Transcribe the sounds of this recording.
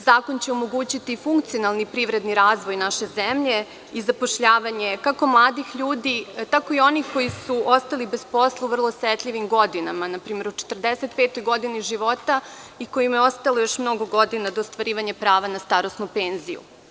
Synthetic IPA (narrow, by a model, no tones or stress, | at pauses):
zaːkont͡ɕeo̞moɡuːt͡ɕit̪ifuŋk̚t̪sionalˠnipɾiʋɾe̞d̪niɾaːzʋo̞jnaʃe̞zemʎe̞ | izapoʃʎaːʋaɲe̞kako̞mlˠaːd̪ixʎuːd̪it̪ako̞io̞niko̞jisuʔost̪alibespo̞slˠauvrlˠoset̪ʎʲiʋimɡo̞d̪inamanapɾiːme̞ɾut͡ʃe̥t̪r̩d̪eset̪̚pet̪ojɡo̞d̪iniʒiʋo̞t̪a | iko̞jimjeo̞st̪alˠojo̞ʃmno̞ɡo̞ɡo̞d̪inad̪oːst̪ʋaɾiːʋaɲapɾaːʋanast̪aɾosnupeːnzḭjṵ